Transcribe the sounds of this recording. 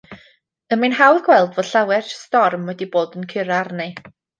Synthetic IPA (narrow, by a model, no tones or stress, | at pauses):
əminhawðɡwɛlˠdvod̥ɬawɛrstɔrmwɛdiboːdənkʰɪɾarne